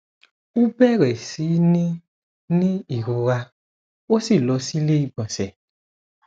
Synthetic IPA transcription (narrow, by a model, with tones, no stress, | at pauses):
u˦bɛ˦ɾɛ˨si˨˦nĩ˦ | nĩ˦i˨ɾo˧ɾa˧ | wo˦si˦˨lɔ˨˦si˦le˦i˦˨bɔ̃˨sɛ˨